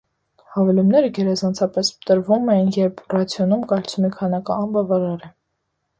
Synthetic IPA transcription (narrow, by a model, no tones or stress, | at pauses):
hɑvɛlumnɛɾəɡɛɾɛzɑnt͡sʰɑpɛsət̪əɾvumɛjinjɛɾpʰrɑt͡sʰjɔnumkɑjlt͡sʰumikʰɑnɑkɑːnbɑvɑɾɑɾɛ